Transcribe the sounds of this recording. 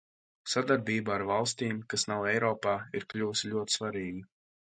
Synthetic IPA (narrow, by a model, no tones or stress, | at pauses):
sad̪aɾbiːbaaɾvalˠst̪iːmkasnawɛjɾɔːpaːiɾklʲuːsilʲuɔt̪ʲsvaɾiːɡi